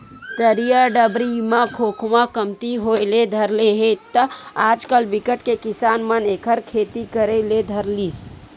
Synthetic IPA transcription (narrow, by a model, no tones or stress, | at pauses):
t̪əɾijaɖəbɾimãkʰokʰmakəmt̪iɦojled̪ʱəɾleɦet̪ːəad͡ʒkəlbikəʈkekisanmənekʰəɾkʰet̪ikəɾəled̪ʱəɾlis